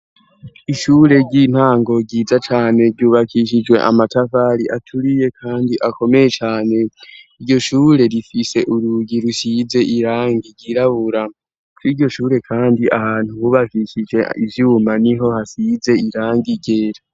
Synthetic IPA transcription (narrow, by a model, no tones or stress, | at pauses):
iʃuːɾe̞ɟiːn̥haːŋɡo̞ɟiːzat͡ʃaːne̞ɾɟuːβakiʃ̬id͡ʒwe̞̰ʔa̰matafaɾiʔatʰuɾije̞kʰaːndiʔako̞me̞je̞t͡ʃaːne̞iɾɟo̞ʃuːɾe̞ɾifise̞ʔuɾuɡiɾusize̞ʔiɾaːŋɡiɟiɾaβuɾa | kwiɾɟo̞ʃuːɾe̞kʰaːndiahaːn̥huhuβakiʃid͡ʒe̞ivjuːmaniɦo̞hasize̞iɾaːŋɡiɡe̞ːɾa